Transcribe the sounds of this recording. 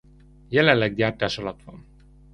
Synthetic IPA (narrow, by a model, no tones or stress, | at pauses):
jɛlɛnlːɛɡ̚ɟaːrt̪aːʃɒlɒt̪ʋɒ̰n